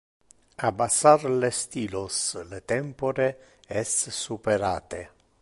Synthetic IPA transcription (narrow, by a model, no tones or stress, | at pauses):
abasaɾlest̪iːloslet̪ɛmpoɾe | ɛssupeɾa̰ːt̪e